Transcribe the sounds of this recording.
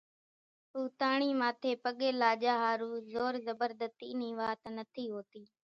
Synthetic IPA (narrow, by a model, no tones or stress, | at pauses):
ɦuːt̪aːɳ̃iːmaːt̪ʰeːpəɠeːlaːd͡ʒaːɦaːɾuːzoːɾzəbəɾd̪ət̪ḭːniːʋaːt̪nət̪ʰiːɦoːt̪iː